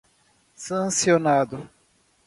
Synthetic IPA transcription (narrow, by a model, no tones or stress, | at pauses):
sɐ̃sionad̪ʊ